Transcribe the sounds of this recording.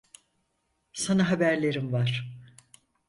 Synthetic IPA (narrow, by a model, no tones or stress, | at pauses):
sanaɦabæɾlʲe̞ɾimvaɾ̥